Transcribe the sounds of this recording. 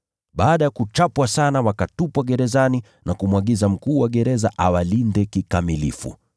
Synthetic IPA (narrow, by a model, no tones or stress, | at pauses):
ɓaːɗajakut͡ʃapwasanawakatupwaɠɛɾɛzani | nakumwaɠizam̩kuːwaɠɛɾɛza̰ʔawalindɛkikamilḭfṵ